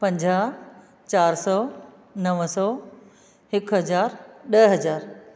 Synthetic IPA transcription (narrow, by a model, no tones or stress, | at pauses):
pɐ̃ɲd͡ʑaː | t͡ɕaːɾsɔː | nɐʋsɔː | ɦɪkɦɐzaːɾɗɐɦɐzaːɾ